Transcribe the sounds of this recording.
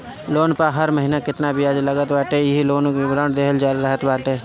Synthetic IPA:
loːnpaɦɐɾməɦinakɪt̪nabʱiaːd͡ʒləɡət̪baːʈɦɛjɦiloːnõkibɾãːɳʈd̪eːɦəld͡ʒaːɾɾəɦət̪baːʈeː

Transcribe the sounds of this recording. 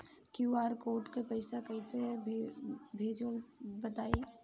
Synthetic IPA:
kjuaːɾkoːʈkepəɪsakɛɪse | bʱeːd͡ʒəlbət̪aːe

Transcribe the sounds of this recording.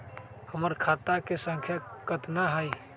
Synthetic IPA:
həməɾkʰat̪akesəŋkʰjakət̪naɦəj

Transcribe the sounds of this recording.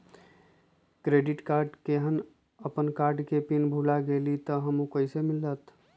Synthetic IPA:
kɾeɖɪʈkaːɾɖkeɦən | əpənkaːɾɖkepinbʱulaɡelit̪əɦəmũkəɪsemɪlːət̪

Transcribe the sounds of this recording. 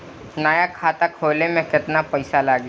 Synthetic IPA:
najakʰaːt̪akʰoːlemẽkɪt̪napɐɪsalaːɡ

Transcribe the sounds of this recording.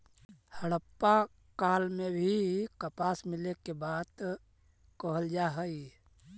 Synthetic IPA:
həɽəpːa | kaːlmẽbʱikəpaːsmɪlekebaːd̪ | koɦəld͡ʒaɦəi

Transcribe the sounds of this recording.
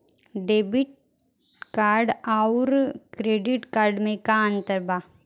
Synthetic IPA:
ɖeːbɪʈ | kaːɾɖaʊɾkɾeːɖɪʈkaːɾɖmẽkaə̃nt̪əɾbʱaː

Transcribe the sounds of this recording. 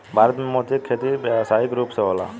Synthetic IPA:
bʱaːɾət̪mẽmoːt̪ikʰːeːt̪ibjasaːikɾuːpseɦoːla̰ː

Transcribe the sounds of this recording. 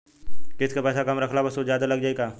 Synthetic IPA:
kɪskapɛːsakɐmɾɐkʰlabɐsozjaːd̪alɐɡd͡ʒaːeɡaː

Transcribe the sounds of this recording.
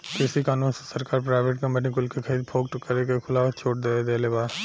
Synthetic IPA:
kɪsikaːnũːnsesəɾkaːɾpɾaːɪʋeːʈkəmeʈĩkʊlkekʰəɾiːd̪̚pʰoːɡ̚ʈkːəɾekekʰʊlaːʋət͡ʃʰoːʈd̪eːed̪eːleːbaː

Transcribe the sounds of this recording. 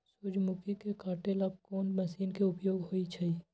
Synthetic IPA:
sʊd͡ʒmʊkikekaːʈelɐb̚koːnmɐsiːnkeʊpjoːɡɦoːit͡ʃʰɐi

